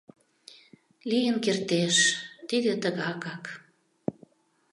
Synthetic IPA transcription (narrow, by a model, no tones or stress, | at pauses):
lijənkert̪eʃt̪id̪et̪əɣɑkɑk